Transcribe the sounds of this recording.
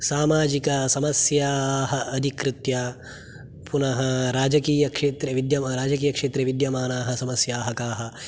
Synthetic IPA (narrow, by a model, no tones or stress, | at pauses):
saːmaːd͡ʒikɐsɐmɐsjaːɦɐʔɐd̪ʱikɾɪt̪jaː | punɐɦɐɾaːd͡ʒɐkiːjɐkʂeːt̪ɾɐʋid̪jɐmɾaːd͡ʒɐkiːjɐkʂeːt̪ɾɐʋid̪jɐmaːnaːɦɐ̆sɐmɐsjaːɦɐkaːɦɐ̆